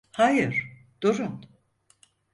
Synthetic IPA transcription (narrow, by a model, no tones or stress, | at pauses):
hajɯɾ̥ | d̪̥uɾun